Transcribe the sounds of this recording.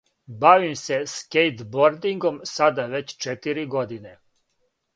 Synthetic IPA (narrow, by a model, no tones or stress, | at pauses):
baʋimse̞skejt̪boɾd̪iŋɡo̞msad̪aʋe̞t͡ɕt͡ʃet̪iɾiɡo̞d̪ine̞